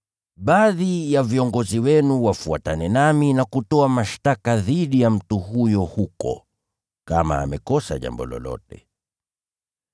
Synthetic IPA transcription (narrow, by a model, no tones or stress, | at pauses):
ɓaðijaviɔŋɡɔziwɛnuwafuatanɛnaminakutɔamaʃtakaðiɗijam̩tuɦujɔhukɔ̰ | kama̰ːmɛkɔsa̰ʄa̰mbɔlɔ̰lɔ̰tɛ̰